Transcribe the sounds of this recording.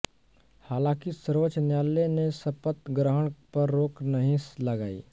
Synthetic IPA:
haːlãːkisəɾʋət͡ʃnjaːlːenesɐpət̪ɡɾəɦəɳ̃pɐɾːoːknəɦĩslɐɡaːḭː

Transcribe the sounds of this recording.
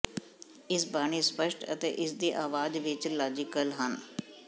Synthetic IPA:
ɪsbaːɽ̃iːspəʃʈə̰t̪ḛːʔɪsd̪iːʔaːʋaːd͡ʒʋɪt͡ʃlaːd͡ʒɪkəlɦən

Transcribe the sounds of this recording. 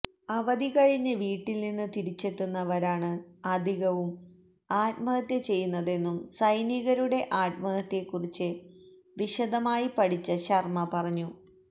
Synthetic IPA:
ɐʋɐðiɣɐɻiɲːɐʋiːʈːilninːɨt̪iɾit͡ɕːet̪ːunːɐʋɐɾaːɳɨɐd̪ʱiɣɐʋum | aːt̪̚mɐhɐt̪ːjɐt͡ɕe̞jːunːɐðe̞nːumsɐjniɣɐɾuɽe̞ʔaːt̪̚mɐhɐt̪ːe̞kːurit͡ɕːɨ | ʋiɕɐd̪ɐmaːjipɐɽit͡ɕːɐɕɐrmɐpɐrɐɲːu

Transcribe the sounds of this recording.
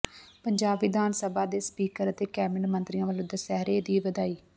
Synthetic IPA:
pəɲd͡ʒaːbʋɪd̪aːnsəbaːd̪eːspiːkəɾət̪eːkɛːmənmənt̪ɾɪjãːʋəlõːd̪əsɛːɾeːd̪iːʋəd̪aːiː

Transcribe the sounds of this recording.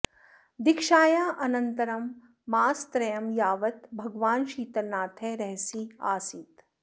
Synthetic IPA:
d̪ɪkʃaːjaːʔɐnɐ̃nt̪ɐɾɐmː | aːst̪ɾɐjɐmjaːʋɐt̪bʱɐɡʋaːnʃiːt̪ɐɾnaːt̪ʰeɾɛɦsia̰ːsit̪

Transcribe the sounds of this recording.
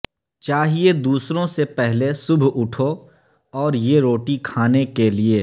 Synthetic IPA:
t͡ʃaːɦied̪uːsɾõsepɛɦlesʊbʱʊʈʰo | ɔːɾjeɾoːʈikʰaːnekelie

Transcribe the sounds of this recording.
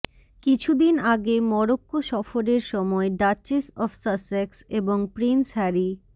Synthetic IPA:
kit͡ɕʰud̪inaɡemɔɾokːoʃɔfoɾeɾʃɔmɔeɖat͡ɕesɔfsasekseboŋpɾinsɦɛɾi

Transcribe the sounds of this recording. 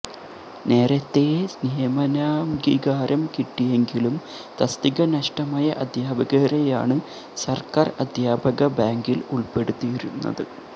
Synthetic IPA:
ne̞ːɾɐt̪ːe̞snijɐmɐnaːmɡiɡaːɾɐmkiʈːije̞ŋɡilum | t̪ɐst̪iɣɐnɐʂʈɐmaːjɐʔɐd̪ʱjaːbɐɣɐɾeja̰ːɳɨ | sɐrkaːrɐd̪ʱjaːbɐɣɐbaːŋɡiluɭpe̞ɽut̪ːiiɾunːɐ̰ðɨ̰

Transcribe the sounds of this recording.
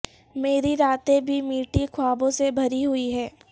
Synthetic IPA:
meːɾiɾaːt̪ebʱimiːʈikʰʊaːbõsebʱɐɾiɦʊiɦɛː

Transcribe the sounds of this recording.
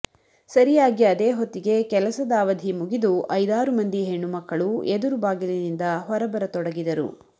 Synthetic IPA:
sɐɾijaːɡiɐd̪eːɦot̪ːiɡe̞kɛlɐsɐd̪aːʋɐd̪ʱimuɡid̪uʔɐjd̪aːɾumɐnd̪iɦe̞ɳːumɐkːɐɭued̪uɾubaːɡilɐd̪ind̪ɐɦɔɾɐbɐɾɐt̪ɔɽɐɡid̪ɐɾṵ

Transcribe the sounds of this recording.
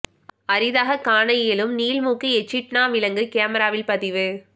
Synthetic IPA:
ɐɾɪðaːɣɐkaːɳɐjɪlɯmniːlmuːkːiɛt͡ʃːɪʈnaːʋɪlɐŋɡɯkeːmɐɾaːʋɪlpɐðɪʋɯ

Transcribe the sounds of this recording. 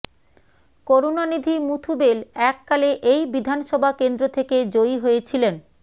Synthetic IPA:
koɾonanid̪ʱimut̪ʰubelɛkːaleʔejbid̪ʱanʃɔbʱakend̪ɾot̪ʰeked͡ʑojɦojet͡ɕʰilen

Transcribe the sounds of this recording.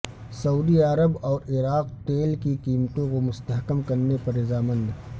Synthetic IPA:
sɐuːd̪iaɾəbɔːɾɪɾaːq̚ʈ̪eːlkikiːmt̪õkomʊst̪əɦkəmkɐɾnepɐɾːɪzaːmə̃nd̪

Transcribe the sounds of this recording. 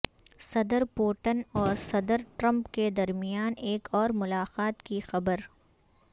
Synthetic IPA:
sɐd̪əɾpoːʈənɔːɾsɐd̪əɾʈɾɐ̃mpked̪ɐɾmijaːneːkɔːɾmʊlaːqaːt̪kixɐbəɾ

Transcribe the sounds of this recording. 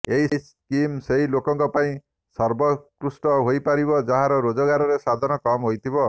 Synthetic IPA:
eɦis | kimseɦilokɔŋkɔpaĩ | sɔɾbɔkɾusʈɔɦojpaɾibɔd͡ʒaɦãɾɔɾod͡ʒɔɡaɾɔɾesad̪ʱɔnɔkɔmɦojt̪ʰibɔ

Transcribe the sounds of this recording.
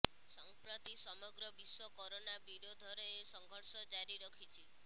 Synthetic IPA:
sɔŋpɾɔt̪isɔmɔɡɾɔbiswɔkɔɾonabiɾod̪ʱɔɾɔesɔŋɡʱɔɾsɔd͡ʒaɾiɾɔkʰit͡ʃʰi

